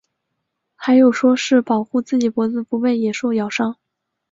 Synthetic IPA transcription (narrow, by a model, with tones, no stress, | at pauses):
xa˧˥ɪjo˨˩ʊʂwɔ˥ʂɻ̩˥˩pɑ˨˩ʊxu˥˧t͡sɹ̩˥˩t͡ɕi˨˩pwɔ˧˥t͡sɹ̩˥˧pu˧˥we˥˩ɪjɛ˨˩ʂo˥˩ʊjɑ˨˩ʊʂɑ˥ŋ